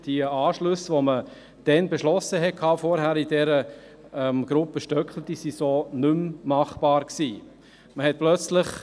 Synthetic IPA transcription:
d̥iɑːʃlʉsʋomə | d̥ɛnbeʃlɔsːəɦɛt̚kʰɑːfɔɾɦæːɾidɛɾə | ɛmɡ̥ɾʊpːəʃtœkχl̩t̪isisoːnʏmmɑχb̥ɑːɾksiː | məhɛt̚plœt͡sləχ

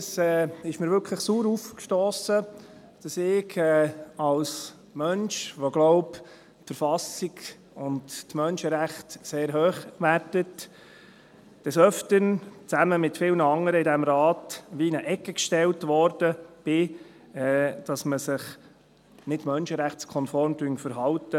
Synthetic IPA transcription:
sɛːɪʃməɾʋʏɾkʰləχsuːɾufkʃtɔːsə | d̥ɑsɪɡʰɛːɑls | mœnʃʋoɡlɔʊp | tfəɾfɑsiɡ | ʊnttmœnʃəɾæχtseːɾɦøːχʋæɾtət | d̥ɛsœftənt͡sæməmɪtfɪlnəɑŋəɾəɪdæmɾɑːtʋiɪnəʔɛkːəkʃtɛltʋɔɾd̥əb̥ɪ | ɛd̥ɑsməsɪχ | nɪtmœnʃəɾæχskʰɔnfɔɾmtyŋfəɾɦɑltə

